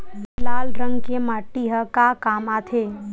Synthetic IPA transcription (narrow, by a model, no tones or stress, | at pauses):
zlaːlɾə̃ŋɡkemaːʈːiɦəkakaːmaːt̪ʰeː